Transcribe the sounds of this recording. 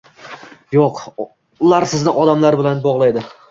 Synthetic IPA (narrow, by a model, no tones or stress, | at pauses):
joq | ʊlaɾsɪznɪʔɒd̪amlaɾbɪlanbɒʁlˠajd̪ɪ